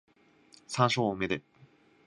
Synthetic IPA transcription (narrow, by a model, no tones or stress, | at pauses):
sãɰ̃ɕoːmed̪e